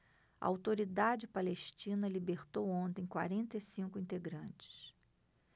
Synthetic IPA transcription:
ɐ̰awt̪oɾid̪ad͡ʒɪpaleʃt͡ʃĩnɐlibeχt̪owõnt̪ẽj̃kwa̰ɾẽnt̪ɐisĩŋkʊĩnt̪eɡɾɐ̃nt͡ʃɪ̥s

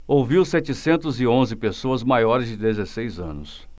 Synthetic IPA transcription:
owviwsɛt͡ʃɪsẽnt̪ʊzɪõzɪpesoɐzmajɔɾɪzd͡ʒɪd̪ezesejzɐ̰̃nʊs

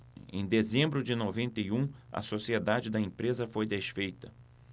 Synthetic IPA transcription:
ḛ̃j̃d̪ezẽmbɾʊd͡ʒɪnovẽnt̪ɐiũɐ̰sosied̪ad͡ʒɪd̪ɐẽpɾezɐfojd̪eʃfejt̪ɐ

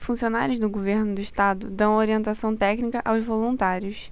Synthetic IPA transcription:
fũsionaɾjʊzd̪ʊɡoveɾnʊd̪ʊiʃt̪ad̪ʊd̪ɐ̃w̃oɾiẽnt̪asɐ̃w̃t̪ɛknikɐʔawzvolũnt̪aɾjʊs

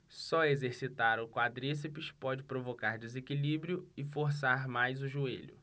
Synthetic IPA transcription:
sɔezeɾsit̪aɾʊkwad̪ɾis̬ipiʃpɔd͡ʒɪpɾovokaɾd̪ezekilibɾjʊɪfoɾs̬aɾmajzʊʒuḛʎʊ̰

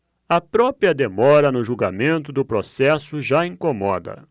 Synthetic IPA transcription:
ɐpɾɔpɾiɐd̪emɔɾɐnʊʒuɡamẽnt̪ʊd̪ʊpɾosɛsʊʒaĩŋkomɔd̪ɐ̰

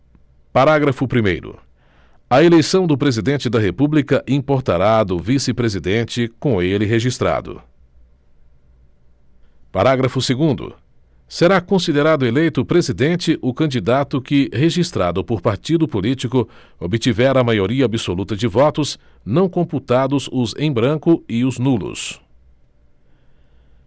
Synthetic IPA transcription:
paɾaɡɾɐfʊpɾimejɾʊ̰ | ɐelejsɐ̃w̃d̪ʊpɾezid̪ẽnt͡ʃɪd̪ɐɦepublikɐʔĩpoɾt̪aɾad̪ʊvisɪpɾezid̪ẽnt͡ʃɪkõelɪɦeʒist̪ɾa̰d̪ʊ̰ | paɾaɡɾɐfʊseɡũnd̪ʊ̰ | seɾakõsid̪eɾad̪ʊelejt̪ʊpɾezid̪ẽnt͡ʃɪʔʊkɐ̃nd͡ʒid̪at̪ʊkɪheʒist̪ɾad̪ʊpoɾpaɾt͡ʃid̪ʊpolit͡ʃikʊ | obɪt͡ʃivɛɾɐmajoɾiɐabisolut̪ɐd͡ʒɪvɔt̪ʊs | nɐ̃w̃kõmput̪ad̪ʊzʊzḛ̃j̃bɾɐ̃kʊɪʊznulʊ̰s

